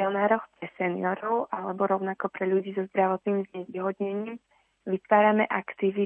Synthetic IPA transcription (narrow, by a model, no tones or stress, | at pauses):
ɔnaːɾɔxpɾɛsɛnḭjɔɾɔʊʔalɛbɔɾɔʊnakɔpɾɛʎuɟiːzɔzd̪ɾaʋɔt̪niːmzɲɛʋiːɦɔd̪ɲɛɲiːm | ʋit̪ʋaːɾamɛʔakt̪iʋi